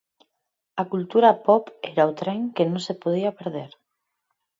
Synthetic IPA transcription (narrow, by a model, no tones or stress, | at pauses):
ɐkult̪uɾɐpɔpɛɾaot̪ɾɛŋkenõŋsepoð̞iɐpeɾðeɾ